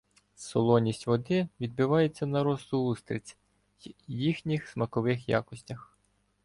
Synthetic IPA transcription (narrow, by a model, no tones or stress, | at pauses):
sɔlˠɔnʲisʲtʲʋɔd̪ɪʋʲid̪̚bɪʋɑjet͡sʲːɐnɐɾɔst̪ʊust̪ɾʲɪ̰t͡sʲ | jjixnʲixsmɐkɔʋɪxjɑ̰kɔsʲtʲɐx